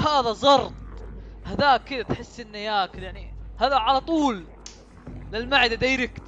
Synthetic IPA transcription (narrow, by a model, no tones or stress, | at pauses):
haːðazˤɑɾˤt̪̚ˤhaðaːkːɪd̪at̪ħɪsːʔɪnːajaːkljaʕnihaːðaʕalat̪ˤuːlː | ɪlmaʕɪd̪ad̪ajɾɪk